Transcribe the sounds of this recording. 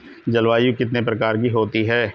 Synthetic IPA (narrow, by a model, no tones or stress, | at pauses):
d͡ʒɐlʋaːjukɪt̪nepɾɐkaːɾkiɦoːt̪iɦɛː